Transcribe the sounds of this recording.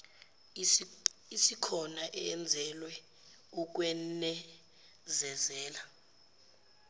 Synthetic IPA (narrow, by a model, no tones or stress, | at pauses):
isikʰɔnaʔɛɛnd͡zʱɛlwɛ | uk̬wɛnɛ | zɛzɛːla